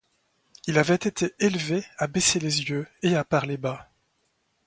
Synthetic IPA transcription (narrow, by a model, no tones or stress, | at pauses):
ilavɛt̪et̪ʰeelveabeselezjøeapaʁleba